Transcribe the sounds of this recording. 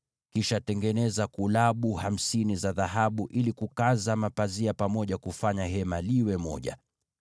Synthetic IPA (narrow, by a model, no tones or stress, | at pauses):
kiʃatɛŋɡɛnɛzakulaɓuham̩sinizaðaɦaɓuʔilikukazamapaziapamɔʄakufaɲaɦɛmaliwɛmɔ̰ʄa̰